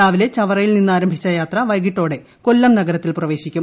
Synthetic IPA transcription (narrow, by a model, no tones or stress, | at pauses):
aːʋile̞t͡ɕɐʋɐrɐjilninːɨaːɾɐmbʱit͡ɕːɐjaːt̪rɐʋɐjɡiʈːo̞ːɽe̞ | ko̞lːɐmnɐɡɐɾɐt̪ːilprɐʋe̞ːɕikʲːum